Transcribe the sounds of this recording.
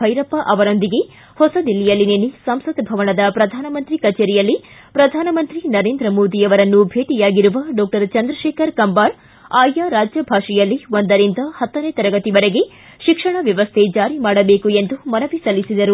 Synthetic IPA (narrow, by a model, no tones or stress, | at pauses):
bʱɐjɾɐpːɐʔɐʋɐɾond̪iɡe̞ | hɔsɐd̪ilːijɐlːineːnisɐmsɐt̪bʱɐʋɐɳɐd̪ɐpɾɐd̪ʱaːnɐmɐnt̪ɾikɐt͡ʃeːɾijɐlːi | pɾɐd̪ʱaːnɐmɐnt̪ɾinɐɾeːnd̪ɾɐmoːd̪iɐʋɐɾɐnːubʱeːʈijaːɡiɾuʋɐɖɔːk̚ʈɐɾt͡ʃɐnd̪ɾɐʃeːkɐɾkɐmbaːɾ | aːjaɾaːd͡ʒjɐbʱaːʂijɐlːiond̪ɐɾint̪ɐhɐt̪ːɐneːt̪ɐɾɐɡɐt̪ibɐɾeɡe̞ | ʃikʂɐɳɐʋjɐʋɐst̪ʰed͡ʒaːɾimaːɽɐbeːkue̞nd̪umɐnɐʋisɐlːisid̪ɐɾu